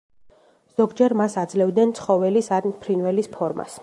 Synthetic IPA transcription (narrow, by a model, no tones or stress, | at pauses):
z̥ɔɡd͡ʒɛɾmasad̪zlɛvd̪nɛnt̪sʰχɔvɛlisaɾnpʰɾinvɛlispʰɔɾma̰s